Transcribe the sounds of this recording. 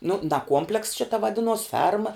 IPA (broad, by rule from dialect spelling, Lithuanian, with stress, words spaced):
nʊ dɐ ˈkuɔmʲpʲlʲɛkss ˈʃʲɪtɐ ʋɐˈdʲɪnuɔs ˈfʲɛrmɐ